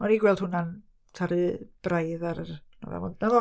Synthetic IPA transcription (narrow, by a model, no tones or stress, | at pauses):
ɔniɡwɛlˠd̥hʊnan | tʰaɾɨb̥rajðaɾənɔ̰vɛ̰vʊ̰ndnavɔ